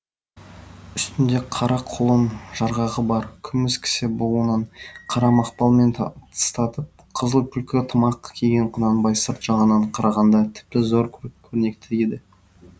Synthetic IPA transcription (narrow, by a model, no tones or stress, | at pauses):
ʏst̪ɪnd̪e̞qʰɑɾʔɑqʰolˠəmʒ̥ɑɾʁɑʁəbɑɾkʲʰʏmɪskʲʰɪ̥sɪbolˠunɑɴqʰɑɾɑmɑqpɑlˠme̞nt̪ʰt̪ʰə̥st̪ɑt̪əp̚qʰəzəlˠkʲʰʏlkʲɪt̪ʰəmɑqkʲʰeɡʲeɴqʰənɑnbɑjsəɾt̪ʒ̥ɑʁənɑɴqʰɑɾʔɑʁɑnd̪ɑt̪ʰɪ̥p̚t̪ɪzo̞ɾʰkʲʰɵɾɪne̞k̚t̪ʰɪɾed̪ɪ